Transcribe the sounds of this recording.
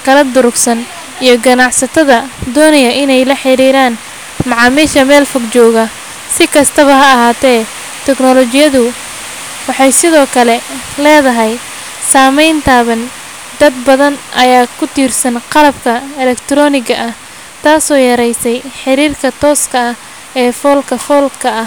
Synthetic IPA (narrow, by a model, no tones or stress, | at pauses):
kʰɐlɐd̪ʊɾʊɡsɐn | ijɞɡɐnɑʕsɐt̪ʰɐðɐd̪ɔːnɐjɐʔɪnɛjlɐħɪɾiːɾaːn | mɑʕɑːmiːʃɐmɛːlfɐɡt͡ʃɔːɣɐ | sɪkʰɐst̪ʰɐβɐɦɐːɦaːt̪ʰɛː | t̪ʰɛɡnɔlɔt͡ʃɪjɐðʊ | wɑħɑjsɪðɔːkʰɐlɛlɛːðɐɦɛj | saːmɛjnt̪ʰaːβɐn | d̪ɐd̪̚bɐðɐnʔɐjaːkʰʊt̪ʰiːrsɐnqɑlɐbkʰɐɛlɛkt̪ʰɾɔːnɪɣɐʔɐh | t̪ʰaːsɔːjɐɾɛjsɛjħɪɾiːrkʰɐt̪ʰɔːskʰɐɐh | ɛːfɔːlkʰɐfɔːlkʰɐɐ